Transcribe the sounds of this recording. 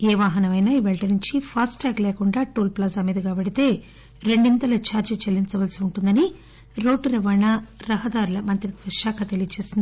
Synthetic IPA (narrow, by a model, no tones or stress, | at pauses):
ɛːʋaːɦɐnɐmɐjnaːiʋɛɭʈɐnuɲt͡ʃipʰaːsʈaːklɛːkuɳɖaːʈoːlplɐs̬ɐmiːd̪ɐɡaːbeɽit̪e̞ː | ɾe̞ɳɖint̪ɐlɐt͡ʃaːɾt͡ʃɐt͡ʃelːint͡ʃɐʋɐlsiuɳʈund̪ɐni | ɾo̞ːʈɾɛʋɐɳaɾɐɦɐd̪aːɾulɐmɐnt̪ɾit̪ʋɐʃaːkʰɐt̪e̞lijɐt͡ʃe̞ːsind̪i